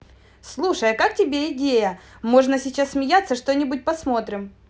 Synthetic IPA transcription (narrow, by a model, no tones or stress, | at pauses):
slˠuʂəjkaktʲɪbʲeɪdʲejə | mo̞ʐnəsʲɪt͡ɕasːmʲɪjat̪sːəʂt̪o̞nʲɪbʊt̚ʲpɐsmo̞t̪ɾʲɪm